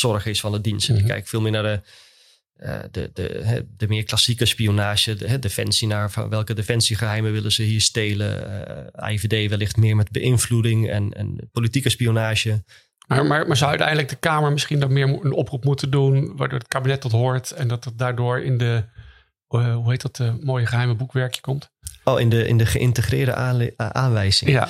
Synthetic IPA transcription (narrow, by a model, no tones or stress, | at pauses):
sɔrχɪsfɔndədinstɛnɪkkːɛ̰jkfɪːlˠmɪːnadə | ə̰də̰də̰ɦɛ̰dəmɪːrklasikəspionaːʒəɦɛdefɛ̰nsinaːɹfɔ̰nʋɛlˠkədefɛnsiχəɦɛjməʋɪlˠəzəɦiəɹsteːlə̰a̰ivedeːʋɛlːɪxtmɪəɹmɛtbəʔɪnfludɪŋɛ̰nɛ̰npolitikəspionaːʒə | maɹmaɹmaːɹzawœɥtɛ̰jndələɡ̚dəkaːməɹmɪsχindɔtmɪːɹənɔprupmutəndunʋaːdʊːɹətkabinɛt̚dɔtɦoːɹtɛndɔtt̚daːɹdʊːɹɪ̰ndə | ɦuɦejtdɔtəmoːjəχəɦɛjməbukʋɛɹkjə̥kɔmt | oːɪndəɪ̰ndəχəʔɪntəχrɪːdə̰aːnʋɛjzɪ̰ŋŋa